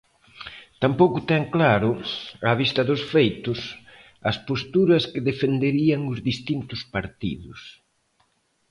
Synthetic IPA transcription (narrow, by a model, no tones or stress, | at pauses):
t̪ampowkʊt̪ɛŋklaɾʊaβist̪ɐðʊsfejt̪ʊs | ɐspost̪uɾɐskɪðefend̪eɾiɐŋʊzðist̪int̪ʊspaɾt̪ḭðʊs